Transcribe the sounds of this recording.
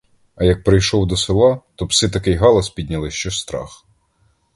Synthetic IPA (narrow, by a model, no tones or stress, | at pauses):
ɐjɐk̚pɾɪjʃɔwd̪ɔsɪlˠɑt̪ɔpsɪt̪ɐkɪjɦɑlˠɐspʲid̪ʲnʲɐlˠɪʃt͡ʃɔʃst̪ɾɑ̰x